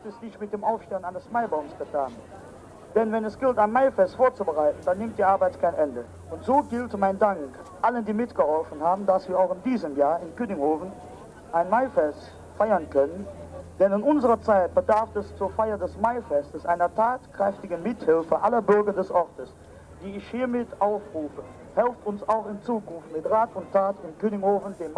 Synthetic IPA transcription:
tɛsnɪçtmɪt̚d̥eːmʔaʊfʃtɛːənaɪnəsmaɪbaʊmsɡ̥ətʰaːn | d̥ɛnvɛnɛsɡ̥ɪltaɪnmaɪfɛstfoːɐt͡subəʁaɪtn̩danːɪmt̚d̥iːʔaɐbaɪtkʰaɪnʔɛndə | ʔʊntz̥oːɡɪltmaɪndaŋkʔaləndiːmɪtɡ̥əhɔlfənhaːbn̩dasv̥iːɐaʊxɪndiːzəmjaːɐɪnkynɪŋhoːvn̩ | ʔaɪnmaɪfɛst | faɪɐnkʰœnənd̥ɛnɪnʔʊnzəʁɐt͡saɪt̚b̥ədaɐfɛst͡suːɐfaɪɐdɛsmaɪfɛstəsʔaɪnɐtʰaːtkʁ̥ɛftɪɡn̩mɪthɪlfəʔalɐbʏɐɡɐdɛsʔɔʁtəs | d̥iːɪçhiːɐmɪtʔaʊfʁuːfə | hɛlftʊnsaʊxɪnt͡suːkʊnftmɪtʁaːtʊntʰːaːtɪmkøːnɪŋhoːfn̩deːm

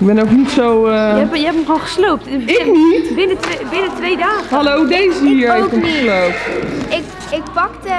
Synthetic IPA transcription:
ɪɡ̚bɛnowknitsowɛpjəɛpəmχolχəslowp̚tɪnibɪnətebɪnətʋejdaːχəhalowdejzəiːɹɪktəmχəslowptɪk | ɪk̚pɑktə

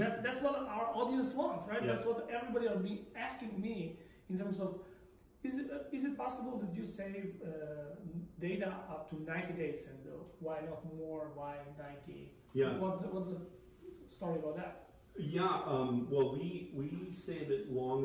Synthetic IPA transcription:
ðætsðætswɔɾaʊə˞ʔɔdiə̃nswʌ̃nsɹaɪt̪̚d̪ætswʌtɛvɹibɑɾiəbiæskɪ̃ŋmi | ɪ̃ntɜ̃˞msɔv | ɪzɪɪzɨt̚pɑsəbəl̩ˠd̪ɨtjɨseɪvʌ | deɪɾəʔʌp̚tʰunãɪ̃ntideɪsɛ̃no̰ʊwaɪnɔt̚mɔɹwaɪnãɪ̃ntʰḭ | jæwʌtswʌtsə | stɔɹiəbaʊt̪̚ðæt̚ | jæʌ̃mwɛlˠwiwiseɪvɨtlɔ̃ŋ

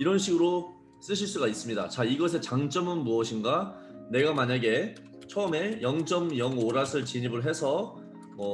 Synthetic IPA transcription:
iɾʌnɕʰiɡɯɾo | s͈ɯɕʰiɭs͈uɡais͈ɯmɲida̰t͡ɕaiɡʌs̬ʰe̞t͡ɕaŋt͡ɕ͈ʌmɯnmuʌɕʰinɡa | ne̞ɡamaɲaɡe̞ | t͡ɕʰʌːme̞jʌŋt͡ɕ͈ʌmjʌŋoɾasʰɯɭt͡ɕiɲibɯɭɦe̞sʰʌ | mʌ

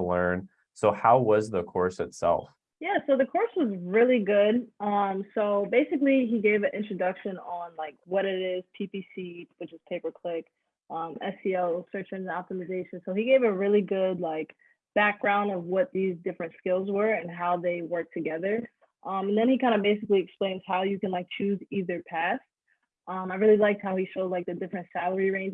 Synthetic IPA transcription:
əlɜ̰̃˞n | soʊhaʊwʌzðəkʰɔ̰ɹsɨtsɛ̰lˠf | jæsoʊðɨkʰɔɹswʌzɹɪlˠiɡʊd̚ʌ̃msoʊbeɪsɨkliiɡeɪvɨ̃nʔɪ̃nt͡ʃɹ̥ɨdʌkʃɨ̃nə̃nlaɪkwʌɾɪɾɪz̥pʰipisiwɨt͡ʃɨz̥pʰeɪpə˞kʰl̥ɪk | ʔʌ̃mɛsiɛlˠsɜ˞t͡ʃə̃nɑtəmɨzeɪʃɨ̃n̩soʊiɡeɪvɨɹɪlˠiɡʊdˡlaɪk | b̥æk̚ɡ̥ɹãʊ̃ndʌvwʌt̪̚ðizdɪfɹɨ̃ntskɪlˠzwə˞ɨ̃nɦaʊðeɪwɜ˞k̚tʰɨɡɛðə˞ | ʔʌ̃mɨ̃n̩ðɨ̃nikʰãɪ̃ndəbeɪsɨkliɨksplẽɪ̃nz̥haʊjɨkɨ̃nlaɪk̚t͡ʃʰʉziðə˞pʰæst | ʔʌ̃maɪɹɪlˠilaɪk̚t̚haʊiʃoʊdlaɪk̚ðɨdɪfɹɨ̃ntsælˠə˞iɹẽɪ̃n

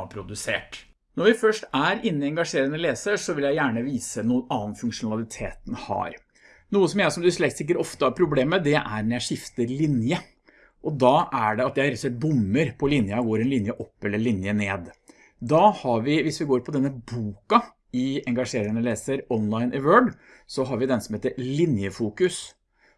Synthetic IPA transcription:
pʰɾʊd̪ʉsḛːʈ | nɔɾʋɪfœʂʈæɾɪnːɪɛŋɡɑʂeːɾənəleːsəʂɔʋɪljæɪjæːɳəʋiːsənuːənɑːnfʉŋkʂʊnɑlˠɪt̪ʰḛːt̪n̩hɑ̰ɾ | nuːəsɔmjæɪsɔmd̪ʉsɭɛk̚t̪sɪk̬ːəʈɔft̪əhɑɾpʰɾʊbleːməd̪ɛʔæ̰ɾnjæɪʂɪft̪əɾlɪnjə | ʔɔd̪ɑːʔæɖɛɑt̪jæɪɾsɛt̪̚bʊmːəɾpʰɔlɪnjɑɡoːɾɛnlɪnjəʔɔpːɛlːəɭɪnjəneːd̪ | d̪ɑhɑɾʋɪʋɪsʋɪɡoːɾpʰɔd̪ɛnːəbuːkɑ | ɪɛŋɡɑʂeːɾəɾənəleːsəɾɔnlaɪnʔəʋøːɖ | sɔɦɑɾʋɪd̪ɛnsɔmheːt̪əɾlɪnjəfuːkʉs

